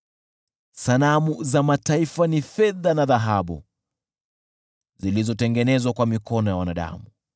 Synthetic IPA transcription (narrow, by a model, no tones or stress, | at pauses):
sanamuzamataifanifɛðanaðaɦaɓṵ | zilizɔtɛŋɡɛnɛzwakwamikɔnɔjawanaɗa̰mu